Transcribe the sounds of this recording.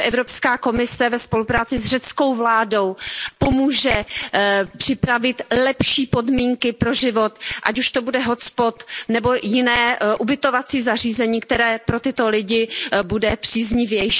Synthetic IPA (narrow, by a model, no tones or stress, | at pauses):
ʔɛvɾo̞pskaːko̞mɪsɛvɛspo̞lupɾaːt͡sɪzr̝ɛt͡sko̞wvlaːdo̞wpo̞muːʒɛ | pr̥ɪpɾavɪt̪lɛpʃiːpo̞dmiːŋkɪpɾoʒɪvot̪ʔa̰cuʃt̪o̞budɛɦo̞t͡spot̪nɛbo̞jɪnɛːʔubɪt̪o̞vat͡siːzar̝iːzɛɲiːk̚t̪ɛɾɛːpɾo̞t̪ɪt̪o̞lɪɟɪbudɛpr̥iːzɲɪvjɛjʃ